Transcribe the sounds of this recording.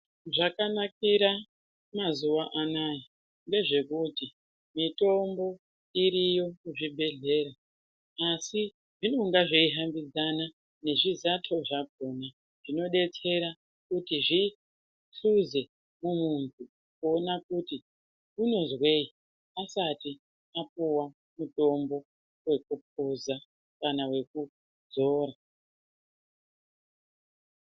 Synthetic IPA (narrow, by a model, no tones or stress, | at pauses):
ʐakanak̚iɾa | mazuwaʔanaji | nde̞ʐe̞kuti | mito̞mbo̞ | iɾijo̞kuʐibʱe̞ɮe̞ɾaː | si | ʐino̞ŋɡaʐeiɦambid͡zana | ne̞ʐizatʰo̞ʐak̚o̞na | ʐ̥ino̞ɗe̞t͡se̞ɾa | kutiʐi | ɬuze̞ | mumuntʰu | kuonakuti | uno̞zwe̞i | asati | ap̚uwa | muto̞mbo̞ | we̞k̚up̚uza | kanawe̞ku | d͡zo̞ːɾa